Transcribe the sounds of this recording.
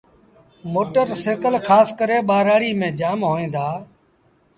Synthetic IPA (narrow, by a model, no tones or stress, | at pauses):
moːʈəɾseːkəlkʰaːskəɾeːɓaːɾaːɽiːmẽːd͡ʒaːmɦoːẽːnd̪aː